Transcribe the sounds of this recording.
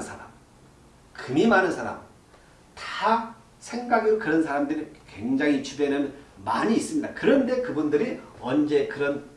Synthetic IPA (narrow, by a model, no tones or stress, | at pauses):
nsʰaɾa̰m | kɯmimanɯnsʰaɾa̰m | tḁ | sʰe̞ŋɡaɡiɾokɯɾʌnsʰaɾamdɯɾikwe̞ŋd͡ʑaŋit͡ɕʰubenɯnmaɲiːs͈ɯmɲidakɯɾʌnde̞kɯbundɯɾiʌnd͡ʑe̞kɯɾʌn